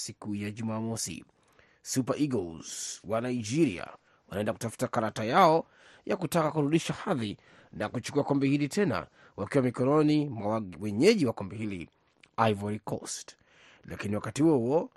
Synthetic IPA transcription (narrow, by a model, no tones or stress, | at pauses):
sikujaʄumaːmɔsḭ | supaʔiɡɔlz̥wanaid͡ʒiɾia̰ | wanaɛndakutafu̥takaɾatajaɔ | jakutakakuɾuɗiʃahaði | nakut͡ʃu̥kuakɔmbɛhilitʰɛna̰ | wakiwamikɔɾɔnimawɛɲɛʄiwakɔmbɛhilḭ | aivaɾikʰɔ̰st | la̰kiniwakatihuɔhuɔ